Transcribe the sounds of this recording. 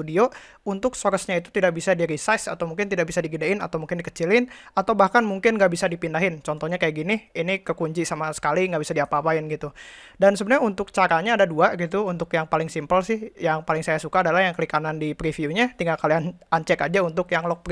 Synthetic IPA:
udio | unt̪ʊksoɾəsɲait̪u̥t̪idaʔk̚bisadiɾisasa̰t̪awmuŋkɪnt̪idaʔbisadiɡidaɪna̰t̪awmuŋkɪndikə̥t͡ʃilɪnat̪awbahkanmuŋkɪnɡaʔbisadipindaɦɪnt͡ʃɔnt̪ɔhɲakajaʔɡinɪinikəkuɲd͡ʒisamasə̥kaliŋɡaʔbisadiapaːpaɪnɡit̪udansəbənarɲaunt̪ʊk̚t͡ʃaɾaɲaːdaduaɡit̪̬uunt̪ʊkjaŋpalɪŋsimpəlsɪhjaŋpalɪŋsajasukaːdalahjaŋkəlikanandipɾifiuɲat̪iŋɡakaliaaɲt͡ʃɛkad͡ʒaunt̪ʊkjaŋlɔk̚p

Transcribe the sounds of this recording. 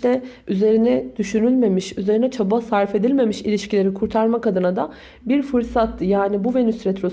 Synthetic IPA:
ɛ | yze̞ɾinɛd̪̥yʃynylʲme̞miʃyze̞ɾinɛt͡ʃʰabasaɾfe̞d̪ilʲme̞miʃilʲiʃcilʲe̞ɾikʰuɾt̪ʰaɾmakʰad̪ɯnad̪a | biɾfɯɾsat̪ʰːɯjaːnibuvenyst̪ɾet̪ʰɾo

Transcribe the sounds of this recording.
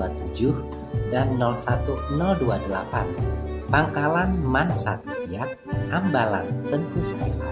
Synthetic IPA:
at̪ud͡ʒʊh | danːɔlsat̪unɔlduadulapanpaŋkalanmansat̪u̥siat̪̚hambala̰nt̪ənt̪usaia

